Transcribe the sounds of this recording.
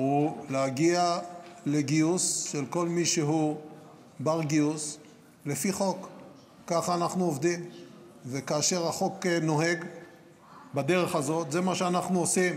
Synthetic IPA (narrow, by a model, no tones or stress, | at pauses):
uleaɡiale̞ɡiusʃelko̞lmiʃeɦu | baʁɡius | le̞fiχo̞kː | aχaːnaχnuovd̪im | vekaːʃe̞ʁaχo̞keno̞ɦe̞ɡ | bad̪e̞ʁe̞χazo̞t̪ze̞maʃeanaχnuosim